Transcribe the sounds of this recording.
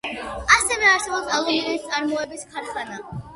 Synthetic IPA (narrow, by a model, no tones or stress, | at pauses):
asɛvɛaɾsɛbɔpsalˠɔninist̪sʼaɾmɔɛbiskʰaɾχana